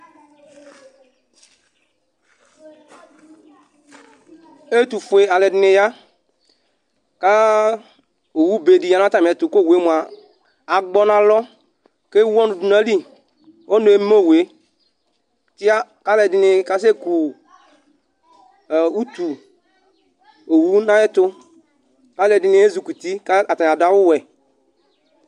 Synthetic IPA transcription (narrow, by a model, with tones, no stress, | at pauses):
e˦t̪u˨fu˨e˨a˨lɛ˨dɪ˨ne˨ja˦ | ka˦ | o˨wu˦be˨di˨ja˨nã˦t̪a˨mĩ˨ɛ˨t̪u˨ko˦˨we˦mu˨a˨ | a˨ɡ͡bɔ˦nã˦lɔ˦ | ke˦wɔ̃˦nu˨du˨na˦li˦ | o˦nu˨e˨˦m˦mo˦˨we˨ | tɪ˦a˦ka˦lɛ˨dɪ˨nɪ˨ka˦s̬e˦ku˨ | u˦t̪u˨ | o˨wu˦nã˦ɛ˦t̪ʊ˦ | ka˦lɛ˨dɪ˨nɪ˨˦e˦zu˨ku˨t̪i˦ka˦a˨ta˨a˨da˦wʊ˦wɛ˨